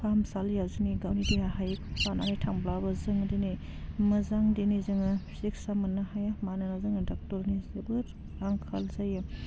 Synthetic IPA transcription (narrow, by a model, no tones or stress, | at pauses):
pʰamsaljaziniɡawnidehaɦajpanaɦajtʰaŋblabɐzɯŋdini | mɐzaŋdinizɯŋasiksamɐnahajamananazɯŋdak̚tɔɾnizebɯɾ | ɾaŋkʰa̰lzajɯ